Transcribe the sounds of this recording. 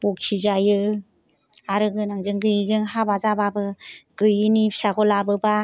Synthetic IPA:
b̥ɔk̚sizajɯ | aɾɯɡɯnaŋzɯŋɡɯjizɯŋɦabazababɯɡ̥ɯjinisaɡɔlabɯba

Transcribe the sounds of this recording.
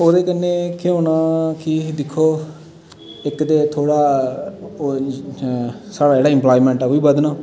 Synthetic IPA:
oːd̪eːkənːeːkeõːnaːkɪd̪ɪkʰːoː | ɪkd̪eːt̪ʰoːɽaː | saːɽaːd͡ʒeːɽaːɪ̃mplaːiːmɛ̃ːɳʈaːkoiːbəd̪nãː

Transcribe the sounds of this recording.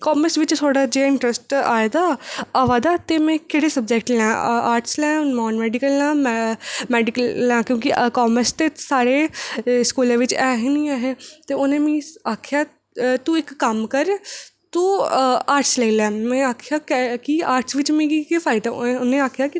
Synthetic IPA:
kɔːməɾsʋɪt͡ʃt̪ʰoːɽaːd͡ʒeːɪ̃ɳʈɾəsʈa̰ːed̪aːəːʋaːd̪aːt̪eːmɛ̃ːkeːɽeːsəb̚d͡ʒɛːkʈlɛ̃ːaːɾʈslɛ̃ːmɔːnmɛːɖɪkəlãːmmɛːɖɪkəlːãːkjõːkikɔːməɾst̪eːsaːɽeːskuːlãːʋɪt͡ʃɛːɦiːnĩːaːɦeːt̪eːʊnẽːmĩːaːkʰjaː | t̪uɪkːəmkəɾt̪uːaːɾʈslɛːilɛ̃ːmɛ̃ːaːkʰjaːkːkiaːɾʈsʋɪt͡ʃmĩːɡikepʰaːɪʈãʊnẽːaːkʰjaːki

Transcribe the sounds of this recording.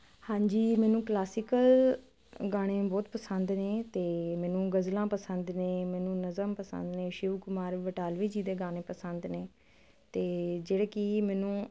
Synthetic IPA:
hãːɲd͡ʒiːmɛːnũːklaːsɪkəl | ɡaːɽ̃ẽːbɔːt̪pəsənd̪neːt̪eːmɛːnũːɡəzlãːpəsənd̪neːmɛːnũːnəzəmpəsə̰̃nd̪nẽːʃɪʋkʊmaːɾʋəʈaːlʋiːd͡ʒiːd̪eːɡaːɽ̃eːpəsənd̪neː | t̪eːd͡ʒeːɽeːkɪmɛːnũː

